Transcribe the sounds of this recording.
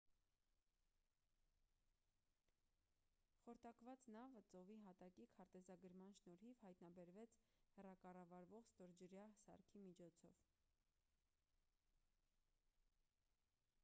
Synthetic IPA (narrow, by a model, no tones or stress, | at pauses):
χɔɾt̪ɑkvɑt͡snɑvət͡sɔviɦɑt̪ɑkikʰɑɾt̪ɛzɑɡəɾmɑnʃnɔɾhivhɑjt̪nɑbɛɾvɛt͡sʰhɛrɑkɑrɑvɑɾvɔʁst̪ɔɾd͡ʒəɾjɑhsɑ̰ɾkʰimit͡ʃʰɔt͡sʰɔv